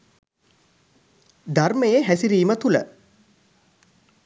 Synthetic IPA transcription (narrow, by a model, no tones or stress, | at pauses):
d̪arməjeɦæsiɾiːmət̪ulə̰